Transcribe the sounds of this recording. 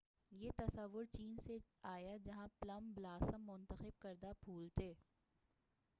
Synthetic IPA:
jeːt̪ɐsəʋːʊɾt͡ʃiːnseaːjad͡ʒɐɦãplɐmblaːsəmːʊ̃nt̪əxɪb̚kɐɾd̪abʰʱuːlt̪eː

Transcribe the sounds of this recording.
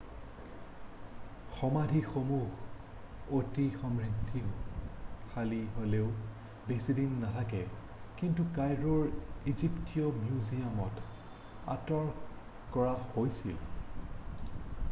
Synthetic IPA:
xɔmadʱixomuɦ | otixɔmɹitʰːi | xaliɦoleʊ | besidinːatʰakɛ | kintukajɹɔɹiziptijɔmjuzijamɔt | a̰tɔɹ | kɔɹahojsḭl

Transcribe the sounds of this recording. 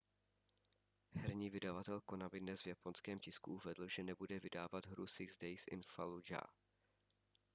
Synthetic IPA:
ɦɛɾɲiːvɪdavat̪ɛlko̞nabɪdnɛsvjapo̞nskɛːmcɪskuʔuvɛdl̩ʒɛnɛbudɛvɪdaːvad̪ɦɾusɪɡzdɛjsʔɪ̰nfalud͡ʒa̰

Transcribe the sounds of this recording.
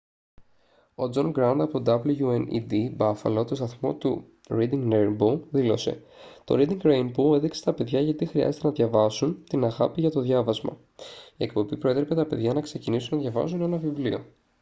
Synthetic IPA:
o̞d͡zo̞ŋɡɾɐnd̪ɐpood̪ɐbluʝuenḭd̪ibɐfɐ̰lot̪ost̪ɐθmo̞̰t̪u | ɾid̪iŋɡneboðilo̞se̞̰ | t̪o̞̰ɾid̪iŋɡɾejnbueðikse̥t̪ɐpe̞ðʝɐʝɐt̪ixɾiɐ̰ze̞t̪e̞nɐðʝɐvɐsunt̪inɐɣɐpiʝɐt̪o̞ðʝɐvɐzmɐ̰ | ie̞kpo̞bipɾo̞e̞t̪ɾepe̞t̪ɐpe̞ðʝɐnɐkse̞cinisunɐðʝɐvɐ̰sune̞nɐvivlio̞̰

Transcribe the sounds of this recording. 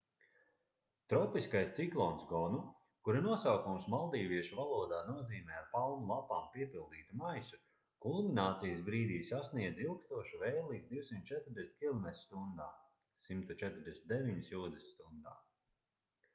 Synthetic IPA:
t̪ɾɔpiskajst̪siklˠɔnsɡɔnu | kuɾinuɔsawkumsmalˠd̪iːviɛʃuvalˠuɔd̪aːnuɔziːmɛːaɾpalˠnulˠapaːmpiɛpilˠd̪iːt̪umajsu | kulˠminaːt̪sijəsbɾiːd̪iːsasniɛd̪zilˠkst̪uɔʃuvɛjlːˠiːt̪d̪iwsimt̪̚t͡ʃɛt̪ɾd̪ʲesnʲkʲilˠnɛsʲst̪und̪aː | simt̪ut͡ʃɛt̪ɾd̪ʲɛsnʲt̪d̪eviɲisjuːd̪ɛsst̪und̪a̰ː

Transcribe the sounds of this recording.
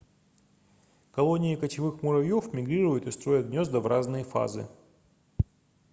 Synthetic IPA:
kɐlˠo̞nʲɪɪkət͡ɕɪvɨxmʊɾɐvʲjo̞fmʲɪɡɾʲiɾʊjʊt̪ɨst̪ɾo̞jət̪̚ɡnʲo̞zd̪əvɾʔaznɨjəfa̰zɨ̰

